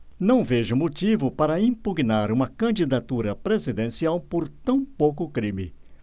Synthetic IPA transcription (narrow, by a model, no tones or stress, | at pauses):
nɐ̃w̃veʒʊmot͡ʃivʊpaɾɐĩpuɡnaɾũmɐkɐ̃d͡ʒid̪at̪uɾɐpɾezid̪ẽsiawpoɾt̪ɐ̃w̃powkʊkɾĩmɪ̰